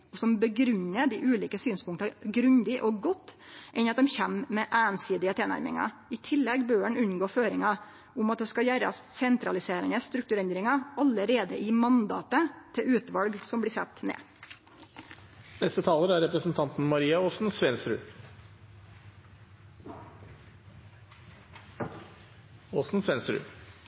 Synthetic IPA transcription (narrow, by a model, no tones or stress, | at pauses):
ɔsɔmbəɡɾʉnːəd̪iːʔʉːliːkəsyːnspʊŋkt̪ɑɡɾʉnd̪ɪʔɔɡɔt̪ːʔɛnɾɑt̪̚d̪ɛmçɛmmɛʔæːnsiːd̪ɪət̪ʰeːnæ̰ɾmɪ̰ŋɑ̰ɪt̪ʰɪlːɛɡbøːəɳʉnɡoːføːɾɪŋɑ | ʊmɑt̪̚d̪ɛːskɑjæːɾɑ̰ssɛnt̪ɾɑlɪseːɾənəst̪ɾʉk̚t̪ʉɾɛnd̪ɾɪŋɑɑləɾeːd̪əʔɪmɑnd̪ɑ̰ːt̪ət̪ʰɪʉːt̪ʋɑlɡsɔmbliːsɛ̰t̪ːnḛː | nɛst̪ət̪ʰɑːləɾæɾɛpɾəsn̩t̪ʰɑnt̪n̩mɑɾiːɑoːsn̩sʋɛnsɾʉ̰ː | oːsn̩sʋɛnsɾʉ̰ː